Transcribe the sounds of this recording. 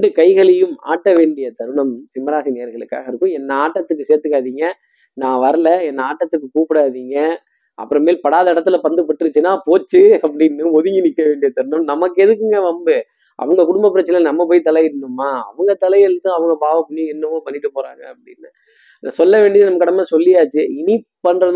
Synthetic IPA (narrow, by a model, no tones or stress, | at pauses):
ɳɖɯkɐɪɣɐɭɛjɯma̰ːʈːɐʋeːɳɖɪjɐt̪ɐɾɯɳɐmsɪmɐɾaːʂineːɐɾɣɐɭɯkːa̰ːɣɐɪɾɯkːɯ̃ɛnːɐaːʈːɐt̪ːɯkːɯseːɾt̪ɯkːaːðiːŋɡɐ | nãːʋɐɾɐlɐɛnːɐaːʈːɐt̪ːɯkːɯkuːpɪɽaːðiːŋɡɐ | ʔɐ̰pːɯɾɐ̃meːlpɐɽaːðɐɪɽɐt̪ːɪlɐpɐnd̪ɯpːɐʈːɯɾɯt͡ʃːɯnaːpoːt͡ʃːɯɐpːɐɽɪnːɯɔðɯŋɡinɪkːɐʋeːɳɖɪjɐt̪ɐɾnɯmnɐmɐkːɯɛðɯk̬ːɯŋɡɐʋɐmbɯ | ʔɐ̰ʋɐŋɡɐkʊɽʊmbɐpːɪɾɐt͡ʃːɐnlnɐmːɐpoːjt̪ɐlɐjɪɾɯnːɯmːaːɐ̰ʋɐŋɡɐt̪ɐlɐjɛɻɯt̪ːɯ̃ɐʋɐŋɡɐpaːʋɐpɐnːijɛnːɐʋõːpɐnːɪʈːɯpoːɾa̰ːŋɡɐɐpːɐɽɪ̰nːɯ | na̰ːsɔlːɐʋeːɳɖɪɐðɐnɐmːɐkːɪɽɐmːɐsɔlːɪjaːt͡ʃːɯɪnipɐnɾɐ